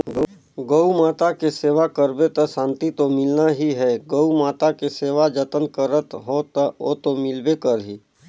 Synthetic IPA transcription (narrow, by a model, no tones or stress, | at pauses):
ɡəumaːt̪akeseːʋakəɾbet̪əsãːnt̪it̪omɪlnaɦiɦɛːɡəumaːt̪akeseːʋad͡ʒət̪ənkəɾət̪ɦot̪o̰t̪omɪlbekəɾɦiː